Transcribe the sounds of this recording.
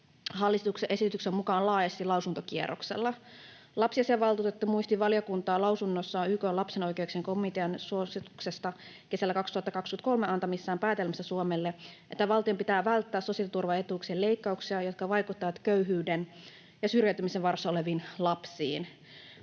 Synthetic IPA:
hɑlːist̪ukseʔe̞sit̪yksemmukɑːnlɑːjɑst̪ilɑwsunt̪okiḛroksḛlːɑ | lɑpsiɑseɑʋɑlt̪uːt̪et̪ːumuist̪iʋɑljɑkunt̪ɑːlɑwsunːosːɑykolɑpseno̞jkeukseŋkomit̪eɑnsuosit̪u̥ksest̪ɑ | ke̞sælːækɑkst̪uhɑt̪ːɑkɑkskyøæt̪ko̞lmeɑnt̪ɑmisːæːmpæːt̪elmæst̪æsuomelːeʔet̪ːæʋɑlt̪io̞mpit̪æːʋælt̪ːæːssosiɑlt̪urʋɑet̪ukselle̞ikːɑuksiɑjot̪kɑʋɑjkut̪ːɑʋɑt̪køyɦyːden | jɑsyrjæyt̪ymiseʋɑrsːɑoleʋiːnlɑpsḭːn

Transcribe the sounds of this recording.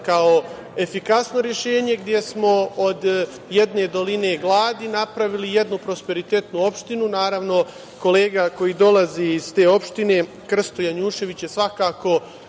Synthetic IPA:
kao | e̞fikasno̞ɾje̞ʃe̞ːɲe̞ɡd̪je̞smo̞od̪ | je̞d̪ne̞d̪o̞line̞ɡlˠaːd̪inapɾaʋilije̞d̪nupɾo̞spe̞ɾit̪et̪nuo̞pʃt̪inunaːɾaʋno̞ | ko̞le̞ːɡako̞jiːd̪o̞lˠaziiz̥t̪e̞ːo̞pʃt̪ine̞ | kr̩st̪o̞jaɲuːʃe̞ʋit͡ɕje̞sʋakaːko̞

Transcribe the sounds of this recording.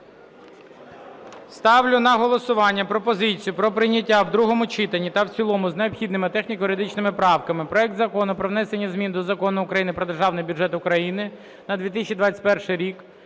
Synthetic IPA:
st̪ɑwlʲʊnɐɦɔlˠɔsʊʋɑnʲːɐpɾɔpɔzɪt͡sʲijʊpɾɔpɾɪnʲɐtʲːawd̪ɾuɦɔmʊt͡ʃɪt̪ɐnʲːit̪ɐwt͡sʲilˠɔmʊzneɔpxʲid̪nɪmɪt̪ɛxnʲikjʊɾed̪ɪt͡ʃnɪmɪpɾɑwkɐmɪpɾɔɛk̚d̪zɐkɔnʊpɾɔʋnɛsenʲːɐzmʲind̪ɔzɐkɔnʊːkɾɐjinɪpɾɔd̪erʒɑwnɪjbʲʊʐɛt̪ʊkɾɐjinɪ | nɐd̪ʋʲit̪̬ɪsʲt͡ʃʲid̪ʋɑt͡sʲɐ̥tʲpɛrʃɪjɾʲik

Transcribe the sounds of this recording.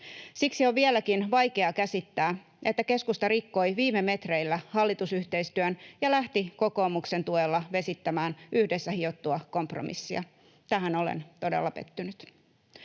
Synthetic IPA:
siksioʋʋielækinʋɑjke̞ɑkæsit̪ːæː | ʔe̞t̪ːæke̞skust̪ɑɾikːo̞jʋiːmeme̞t̪reilːæhɑlːit̪usyht̪e̞ist̪yønjɑlæht̪iko̞ko̞ːmukse̞nt̪uelːɑʋe̞sit̪ːæmæːnʔyhdesːæhio̞t̪ːuɑkompro̰mḭsːiɑ | t̪æɦæno̞lḛnt̪o̞de̞̰lːɑpḛt̪ːynyt̪

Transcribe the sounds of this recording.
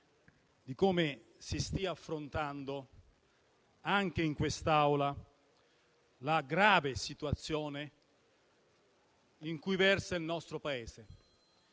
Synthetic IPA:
d̪ikoːme | sist̪iaːfːɾont̪and̪o | aŋk̟eiŋkwest̪awla | laɡɾaːvesit̪uat̪sːjoːne | iŋkujvɛrsailnɔst̪ɾopaeːze

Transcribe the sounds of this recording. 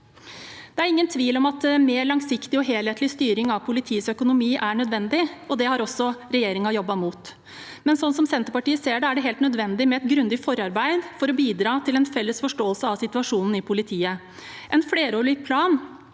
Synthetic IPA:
d̪̥ɛæɾɪŋːənt̪ʰʋiːlɔmɑt̪meːɭɑŋsɪkt̪ɪɔɦeːlheːt̪lɪst̪yːɾɪŋɑʋpʰʊlɪt̪ʰiːəsœkʊnʊmiːʔæɳœd̪ʋɛnd̪ɪɔd̪ɛhɑɾɔsːɔɾɛjeːɾɪŋɑjɔbːɑmuːt̪ | mɛnsɔnsɔmsɛnt̪əɾpɑʈiːəseːɖɛæɖɛɦeːlt̪nœd̪ʋɛnd̪ɪmɛɛt̪ɡɾʉnd̪ɪfɔɾɑɾbæɪd̪fɔɾɔbiːd̪ɾɑːt̪ʰɪlɛnfɛlːəsfɔʂʈoːəlsəɑʋsɪt̪ʉɑʂuːnn̩ɪpʰʊlɪt̪ʰiːə | ʔɛnfleːɾoːɭɪk̚pʰlɑːn

